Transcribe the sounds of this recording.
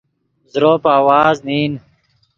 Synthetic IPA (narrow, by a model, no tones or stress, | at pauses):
zɾoːpaːwaːzniːn